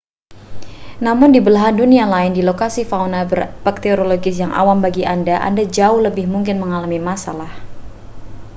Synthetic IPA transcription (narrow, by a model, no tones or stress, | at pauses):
namʊndibəlaɦandunialaɪndilokasifaunabərpək̚t̪eoɾoloɡɪs̬jaŋʔa̰wambaɡiʔandaʔa̰ndad͡ʒaʊhləbɪhmuŋk̬ɪnməŋalamimasa̰lah